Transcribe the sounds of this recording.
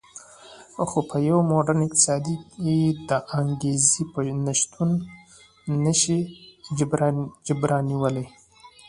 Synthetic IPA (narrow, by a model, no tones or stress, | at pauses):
xopʰəjawmoɖənɪq̚t̪ɪ̥sɑd̪iked̪əʔaŋɡezipənaʃt̪unː | əʃi | bɾd͡ʒɪbɾɑniwəle